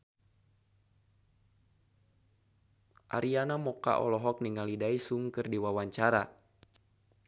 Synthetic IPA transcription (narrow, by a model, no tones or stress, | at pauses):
ʔa̰ɾianamɔka̰ʔɔ̰lɔɦɔk̚niŋalidaisuŋkɨrdiwawaɲt͡ʃaɾa